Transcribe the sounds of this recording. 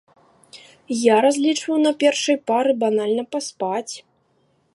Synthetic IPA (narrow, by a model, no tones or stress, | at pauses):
jaɾazʲlʲit͡ʂvɐwnɐpʲɛrʂɐjpaɾɨbanalʲnɐpaspat͡sʲ